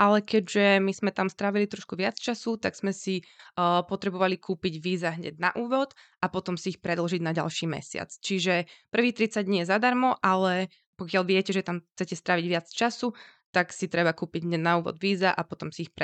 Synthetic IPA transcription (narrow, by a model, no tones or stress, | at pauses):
ʔalɛkɛɟʒɛmiz̥mɛt̪amst̪ɾaːʋilit̪ɾɔʃkuʋɪat͡st͡ʃasut̪aɡz̥mɛsipɔt̪ɾɛbɔʋalikʰuːpiɟʋiːzaɦɲɛ̰ɟna̰ʔuːʋɔt̪ | apɔt̪ɔmsiːxpɾɛd̪l̩ʒiɟnaɟa̰lʃiːmɛ̰sɪa̰t͡st͡ʃiʒɛpr̩ʋiːt̪ɾit͡saɟ̚dɲiːjɛzad̪aɾmɔʔalɛ | pɔkɪalʋɪɛcɛʒɛt̪amxt͡sɛcɛst̪ɾaːʋiɟʋɪat͡st͡ʃasut̪aksit̪ɾɛbakuːpiɟɦɲɛɟnauːʋɔ̰d̪ʋiːzaʔapɔt̪ɔmsiixpɛ